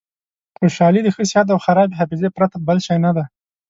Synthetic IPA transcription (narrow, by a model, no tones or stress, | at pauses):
xoʃɑlid̪əxəsɪhat̪̬awxaɾɑbeɦafɪzepɾat̪abəlʃɑjnad̪a